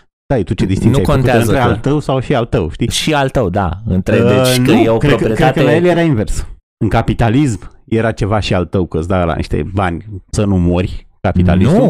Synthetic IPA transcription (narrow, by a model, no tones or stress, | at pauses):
d̪̥ajet̪ut͡ʃed̪ist̪inŋnuiajkonntkueazpɾealt̪əwsawʃialt̪əwʃt̪iʃialt̪əwd̪a̰ɨ̰nt̪ɾeenujeokɾeokɾiekɾekəəlajeljeɾainve̞rs | ɨŋkapit̪alismje̞ɾat͡ʃe̞vaʃialt̪əwkəzd̪ala̰nḭʃt̪e̞̰banʲsənumorʲ | kapit̪a̰linsum